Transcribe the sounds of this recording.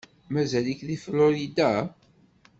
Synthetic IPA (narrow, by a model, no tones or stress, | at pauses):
mæzælikðiflʊɾid̪a